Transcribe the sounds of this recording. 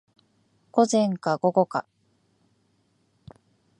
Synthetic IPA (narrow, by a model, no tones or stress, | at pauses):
ɡ̥o̞zẽ̞ŋkaɡo̞ɡo̞ka̰